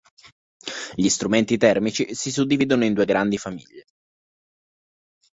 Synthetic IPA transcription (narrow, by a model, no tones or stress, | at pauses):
ʎist̪ɾument̪it̪ɛrmit͡ʃisisud̪ːiviːd̪onoind̪uːeɡɾand̪ifamḭʎːe